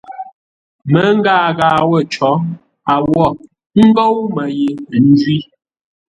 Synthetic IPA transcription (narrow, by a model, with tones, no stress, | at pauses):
mə˨˦ŋ̩˦ɡaː˦˨ɣaː˨wə˦˨t͡ʃɔ˨˦ | a˨wɔ˦˨ | ŋ̩˦ɡo˦wmə˨ji˨n̩˦dɥi˦